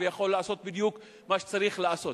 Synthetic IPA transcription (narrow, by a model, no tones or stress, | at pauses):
vejaχo̞lːaaso̞t̪̚bid̪juk | maʃe̥t͡saɾiχlaaso̞